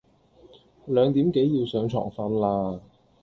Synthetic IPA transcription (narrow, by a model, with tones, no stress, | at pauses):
lœː˨˧ŋt̪iː˨˥mke˨˥jjiː˧wsœː˨˥ŋt͡ʃʰɔ̰ː˨˩ŋfɐ˧˥nlaː˧